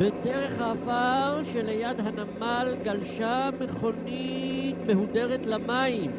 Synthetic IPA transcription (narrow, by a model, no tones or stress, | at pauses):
vedeʁeχhaːvaʁʃelejad̪ɦanamalɡalʃameχo̞nitmehud̪eʁet̪lamaim